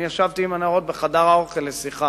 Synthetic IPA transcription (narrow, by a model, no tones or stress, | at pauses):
jaʃavt̪iimanaʁo̞t̪̚beχadaʁao̞χelːesiχa